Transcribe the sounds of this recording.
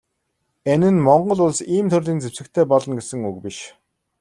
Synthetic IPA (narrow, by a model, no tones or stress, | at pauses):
ænɘ̆nmɔɴɢɞ̆ɮʊɮsiːmt̪ʰɵrɮiːnt͡sewsɘ̆k̚t̪ʰeːpɔɮɞ̆nɡesɘ̆ŋukpiʃ